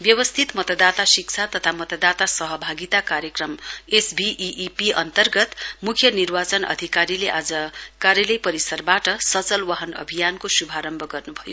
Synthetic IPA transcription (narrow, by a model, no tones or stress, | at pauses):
bjʌwʌst̪ʰit̪mʌt̪ʌd̪at̪asik̚t͡sʰat̪ʌt̪ʰamʌt̪ʌd̪at̪asʌɦʌbʱaɡit̪akaɾjʌkrʌmesbiʔiʔipiʌnt̪ʌrɡʌt̪mukʰjʌnirwat͡sʌnʌ̰d̪ʱikaɾileʔad͡zʌkaɾjʌlʌjpʌɾisʌrbaʈʌsʌt͡sʌlwʌɦʌnʌ̰bʱijankosubʱaɾʌmbʱʌɡʌrnubʱʌjo